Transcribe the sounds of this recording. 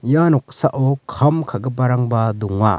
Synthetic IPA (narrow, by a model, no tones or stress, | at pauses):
janɔk̚saʔɔkʰɐmkʰaɡəp̬aɾaŋbad̪uŋa̰